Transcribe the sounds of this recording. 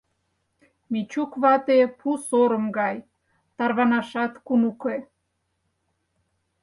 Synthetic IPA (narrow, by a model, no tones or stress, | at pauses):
mit͡ɕukβɑt̪epʰusoɾə̆mɡɑj | t̪ɑrβɑnɑʃɑt̪kunuke